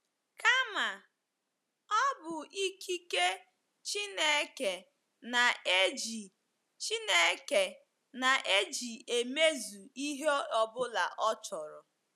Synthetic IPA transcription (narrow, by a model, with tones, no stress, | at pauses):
ka˦ma˨ | ɔ˦bʊ˨i˦kʰi˦ke˦ | t͡ʃi˦ne˦ke˨ | na˨e˦d͡ʒi˨ | t͡ʃi˦ne˦ke˨ | na˨ʔe˦d͡ʒi˨e˨me˦zu˨i˦ɦe˦ɔ˨bʊ˦la̰˨ʔɔ˦t͡ʃɔ˨ɾɔ˨